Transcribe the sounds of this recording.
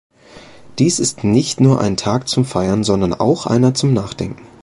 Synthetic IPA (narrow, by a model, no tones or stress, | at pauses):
d̥iːsɪstnɪçtnuːɐʔa̰ɪntʰaːk̚t͡sʊmfaɪɐnzɔndɐnʔa̰ʊxʔa̰ɪnɐt͡sʊmnaːχd̥ɛ̰ŋkŋ̩